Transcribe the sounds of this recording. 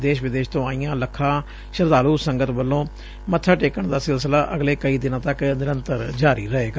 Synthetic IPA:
d̪eːʃʋɪd̪eːʃt̪õːaːijãːləkʰːãː | ʃəɾd̪aːluːsəŋɡət̪bəlːõː | mət̪ʰːaːʈeːkəɳd̪aːsɪlsəlaːʔəɡleːkəiːd̪ɪnãːt̪əknɪɾənt̪əɾd͡ʒaːɾḭːɾəeːɡaː

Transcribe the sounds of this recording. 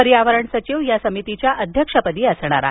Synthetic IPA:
əɾijaʋəɾəɳsət͡ɕiʋjasəmit̪it͡ɕjaʔəd̪ʱjəkʂəpəd̪iːəsɳ̃a̰ɾa̰ɦ

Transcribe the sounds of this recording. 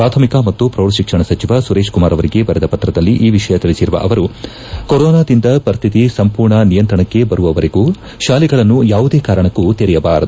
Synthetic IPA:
pɾaːt̪ʰɐmikɐmɐt̪ːupɾoːɾɐʃikʂɐɳɐsɐt͡ʃiʋɐsuɾe̞ːʃʂkumaːɾɐʋɐɾiɡe̞bɐɾɛd̪ɐpɐt̪ːɾɐd̪ɐlːiʔiːʋiʂɐjɐt̪iɭisiɾuʋɐ̰ʔɐʋɐɾu | koɾɔːnaːd̪ind̪ɐpɐɾist̪ʰit̪isɐmpuːɾɳɐnijɐnt̪ɾɐɳɐkːe̞bɐɾuʋɐʋɐɾiɡuː | ʃaːliɡɐɭɐnːujaːʋud̪e̞ːkaːɾɐɳɐkːut̪eɾɛjɐbaːɾɐd̪u

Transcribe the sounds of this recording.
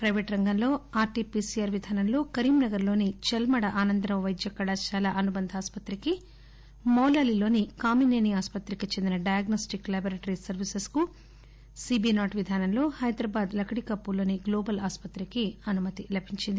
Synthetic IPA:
pɾɐjʋeːʈɾɐŋɡɐnlo̞ːaːɾʈipiːsijaːɾʋid̪ʱaːnɐmlo̞ːkɐɾiːmnɐɡɐɾloːnit͡ʃɛlmɐɽɐʔaːnɐnd̪ɾɐmʋɐjd̪jɐkːɐɽaːʃaːlaːʔɐnubɐnd̪ʱaːspɐt̪ɾiki | mɔːlaːlilo̞ːnikaːmineːniaːspɐt̪ɾikit͡ʃend̪inɐɖɐjaːɡnɐːsʈiklɐːboɾeʈɐɾisɐɾʋisesku | siːbinaːʈʋid̪ʱaːnɐmlo̞ːhɐjd̪ɾɐbaːd̪lɐkʰɽikɐpːulo̞ːniɡloːbɐlaːspɐt̪ɾikiɐnumɐt̪ilɐbʱiɲt͡ʃind̪i

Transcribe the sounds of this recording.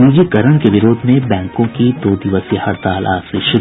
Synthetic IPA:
iːd͡ʒikɐɾəɳ̃keʋɪɾoːd̪ʱmẽbɛ̃ːŋkõkid̪oːd̪ɪʋəsjehɐɾt̪aːlʔa̰ːsɾɪːʃɪ

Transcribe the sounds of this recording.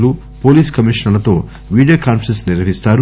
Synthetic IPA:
lu | po̞ːliːskɐmiːʂɐnɐlɐt̪o̞ː | ʋiːɖijoːkaːnpɐɾensniɾɐɦist̪aːɾu

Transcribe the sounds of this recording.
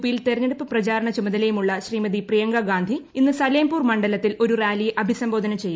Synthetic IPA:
pːijilt̪erŋeɽupːɨprɐt͡ɕaːɾɐɳɐt͡ɕumɐðɐlejumuɭːɐɕriːmɐðiprijɐŋɡɐɡaːnd̪ʱiinːɨsɐleːmpuːrmɐɳɖɐlɐt̪ːilʔo̞ɾurjaːliːʔɐbʱisɐmbo̞ːd̪ɐnɐt͡ɕe̞jːu

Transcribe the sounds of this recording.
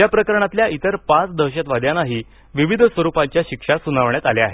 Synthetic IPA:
japɾəkəɾɳ̃at̪ljait̪əɾpãt͡sd̪əwɕat̪ʋad̪janaɦiː | ʋiʋid̪ʱsʋəɾupãɲt͡ɕjaɕikʂasunaʋɳjat̪aleaɦe

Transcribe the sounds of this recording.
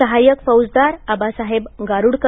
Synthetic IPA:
əɦajəkfəwd͡zd̪aɾabasaɦebɡaɾuɽk

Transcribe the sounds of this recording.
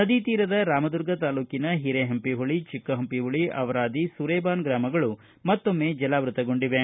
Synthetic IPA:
nɐd̪it̪iːɾɐd̪ɐɾaːmɐd̪uɾɡɐt̪aːluːkinɐɦiɾeɦɐmpiɦuɭit͡ʃikːɐɦɐmpiɦuɭiʔɐ̰ʋɐɾaːd̪isuɾeːbaːnɡɾaːmɐɡɐɭu | mɐt̪ːo̞mːed͡ʒɐlaːʋɾut̪ɐɡo̞ɳɖiʋe

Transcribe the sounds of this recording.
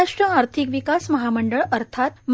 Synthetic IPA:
aʂʈɾəaɾt̪ʰikʋikasməɦaməɳɖəɭəɾt̪ʰat̪̚m

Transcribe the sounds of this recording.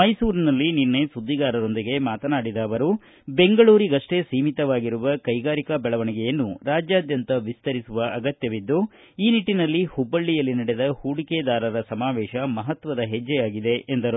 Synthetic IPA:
mɐjsuːɾinɐlːiniɾnesud̪ːiɡaːɾɐɾo̞nd̪iɡe̞maːt̪ɐnaːɽid̪ɐːʋɐɾu | be̞ŋɡɐɭuːɾiɡɐʂʈesiːmit̪ɐʋaːɡiɾuʋɐkɐjɡaːɾikɐbɛɭɐʋɐɳiɡɛjɐnːuɾaːd͡ʒjaːd̪jɐnt̪ɐʋist̪ɐɾisuʋɐʔɐɡɐt̪jɐʋid̪ːu | iːniʈːinɐlːihubːɐɭːijɐlːinɐɽed̪ɐhuːɽikeːd̪aːɾɐɾɐsɐmaːʋɛːʃɐmɐɦɐt̪ʋɐd̪ɐɦed͡ʒːɛjaːɡid̪e̞end̪ɐɾu

